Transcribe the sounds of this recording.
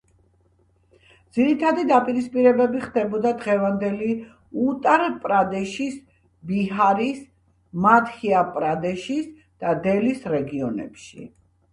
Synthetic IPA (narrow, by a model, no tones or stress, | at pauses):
d̪z̥iɾit̪ʰad̪id̪apʼiɾispʼiɾɛbɛbiχd̪ɛbɔd̪ad̪ʁɛvand̪ɛli | ut̪ʼaɾpʼɾad̪ɛʃis | biɦaɾis | mat̪hiapʼɾad̪ɛʃis | d̪̥ad̪ɛlisɾɛɡiɔnɛ̰pʃḭ